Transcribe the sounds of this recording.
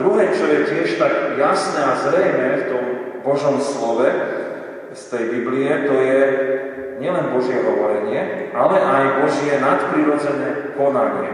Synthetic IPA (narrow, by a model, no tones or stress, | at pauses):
d̪ɾuɦɛːt͡ʃɔjɛcɪɛʃt̪aɡjasnɛazɾɛjmɛft̪ɔmbɔʒɔmslɔʋɛ | st̪ɛjbibliɛt̪ɔjɛ | ɲɪɛlɛnbɔʒɪɛɦɔʋɔɾɛɲɪɛʔalɛʔajbɔʒjɛnat̪pɾiɾɔd͡zɛnɛːkɔnaɲɪɛ̰